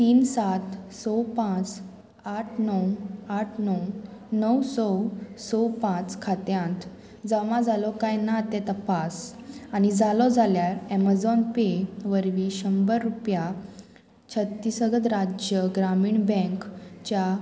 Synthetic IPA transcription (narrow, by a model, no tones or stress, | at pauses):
t̪iːnsat̪sɔpãt͡s | aʈʰnəwaʈʰnəwnəwsɔwsɔpãt͡skʰat̪jãnt̪ | d͡zəmãd͡zalɔkajnat̪ɛt̪əpasañid͡zalɔd͡zʱaljaɾɛmad͡zɔnpeʋəɾʋiɕəmbəɾːupja | t͡ɕʰət̪ːisəɡət̪ɾad͡ʑjəɡɾamiːɳbɛ̃ŋkt͡ɕa